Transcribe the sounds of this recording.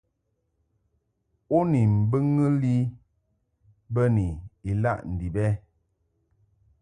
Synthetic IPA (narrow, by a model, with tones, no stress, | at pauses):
o˦ni˨m̩˨bə˦ŋə˦li˦ | bə˦ni˨i˨la̰˦ʔn̩˨di˨bɛ˦